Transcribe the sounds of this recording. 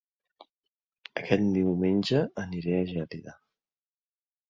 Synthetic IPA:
əkɛt̪̚d̪iwmenʲd͡ʒəəniɾeəʒɛliðə

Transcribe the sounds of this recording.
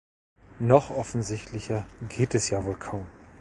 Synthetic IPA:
nɔχʔɔfn̩zɪçtʰlɪçɐɡeːtɛsjaːvoːlkʰaʊm

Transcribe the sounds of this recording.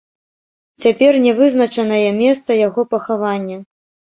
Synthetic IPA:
t͡sʲapʲɛrnʲɛvɨzn̪ɐt͡ʂɐnɐjɛmʲɛst̪sɐjaɣɔpɐxavanʲːɐ

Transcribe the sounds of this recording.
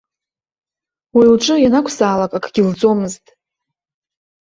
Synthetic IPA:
wilʈ͡ʂʼɨjanakʷʰsaːlakʼakʰɡʲɪld͡zo̞mɨztʼ

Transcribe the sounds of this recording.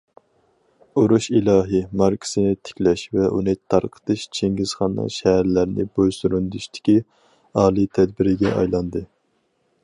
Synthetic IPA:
uɾuʃilˠɑːɦɨmɑɾkʲʰi̥sɨnɪt̪ʰɪ̥kʲlɛʃvɛʔṵnɨt̪ʰɑɾqʰə̥t̪ʰɨʃt͡ʃʰeŋɡʲɪz̥χɑnːɨ̰ʃɛɦæɾlæɾnɪ̰bojsuɾund̪yʃt̪ʰɪ̥kʲi | ɑːlˠit̪ʰɛd̪̚bɪɾɪɡʲɛʔɑ̰jlˠɑnd̪ɨ

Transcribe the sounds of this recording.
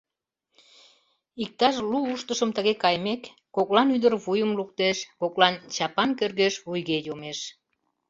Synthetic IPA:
ik̚t̪ɑʃluuʃt̪əʃəmt̪əɣekɑjmekː | oklɑnyd̪ərβujəmluk̚t̪eʃkoklɑnt͡ɕɑpɑnkerɣeʃβujɣejomeʃ

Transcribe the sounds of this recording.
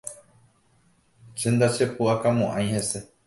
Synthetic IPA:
t͡ʃend̪at͡ʃepuakamõʔãj̃hẽse̞

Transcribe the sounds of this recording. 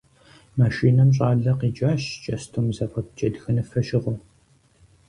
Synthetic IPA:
maʃiːnɐmɕ̬ʼaːɮɐqiːd͡ʒaːʃt͡ʃʼɐstʰoːmzɐfɐp̚t͡ʃʼɐdxɨnɨfɐʃɪʁo

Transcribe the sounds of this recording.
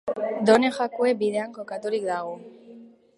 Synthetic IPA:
d̪onexakuebiðeaŋkokat̪olikd̪aɣo

